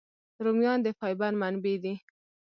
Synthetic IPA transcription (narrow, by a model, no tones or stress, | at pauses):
ɾumjɑnd̪əfɑjbanmanbed̪i